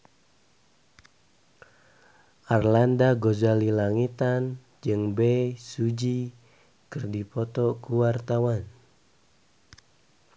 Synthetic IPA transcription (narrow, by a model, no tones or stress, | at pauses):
ʔarlandaɡozalilaŋit̪an | d͡ʒɨŋbɛsud͡ʒi | kɨrdipɔt̪ɔkuwart̪awan